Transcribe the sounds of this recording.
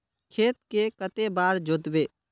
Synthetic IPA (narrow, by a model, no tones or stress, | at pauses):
kʰeːt̪̚kekət̪ebaːɾd͡ʒod̪beː